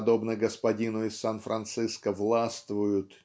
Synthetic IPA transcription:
d̪o̞bnəɡəspɐdʲinʊɪsːanfɾʔɐnt̪sɨskəvlˠast̪vʊjʊt̪

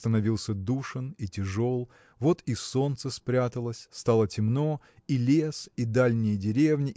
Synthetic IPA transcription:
st̪ənɐvʲilˠsʲəd̪uʂɨnitʲɪʐo̞lˠ | vo̞t̪iso̞nt̪səspɾʲat̪əlˠəsʲst̪alˠətʲɪmno̞ | ilʲesid̪alʲnʲɪjədʲɪɾʲe̞vnʲɪ

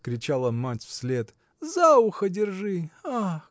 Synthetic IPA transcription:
kɾʲɪt͡ɕalˠəmatʲfsʲlʲe̞t̪ | zaʊxədʲɪrʐɨa

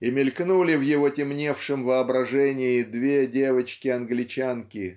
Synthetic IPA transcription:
ɪmʲɪlʲknulʲɪvjɪvo̞tʲɪmnʲe̞fʂɨmvəɐbɾɐʐɛnʲɪɪd̪vʲedʲe̞vət͡ɕkʲɪɐnɡlʲɪt͡ɕankʲɪ

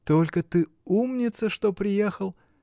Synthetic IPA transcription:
t̪o̞lʲkət̪ɨ | umnʲɪt̪səʂt̪opɾʲɪjexəlˠ

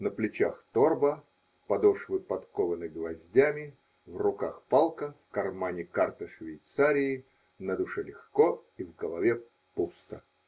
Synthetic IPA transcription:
nəplʲɪt͡ɕaxt̪orbə | pɐd̪oʂvɨpɐt̪kovənɨɡvɐzʲdʲamʲɪ | vrʊkaxpalˠkəfkɐrmanʲɪkart̪əʂvʲɪjt̪saɾʲɪː | nəd̪ʊʂɛlʲɪxkoivɡəlˠɐvʲe | pust̪ə

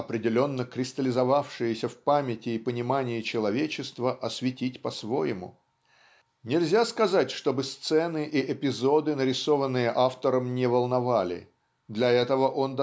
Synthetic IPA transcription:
ɐpɾʲɪdʲɪlʲo̞nːəkɾʲɪst̪əlʲɪzɐvafʂɨjɪsʲəfpamʲɪtʲɪːpənʲɪmanʲɪɪt͡ɕɪlˠɐvʲet͡ɕɪst̪vəʔɐsvʲɪtʲitʲpɐsvo̞jɪmʊ̰ | nʲɪlʲzʲaskɐzatʲʂt̪o̞bɨst̪sɛnɨʔiɪpʲɪzo̞d̪ɨnəɾʲɪso̞vənːɨjəʔaft̪əɾəmnʲɪvəlˠnɐvalʲɪ̰ | d̪lʲɐɛt̪əvəʔo̞nd̪

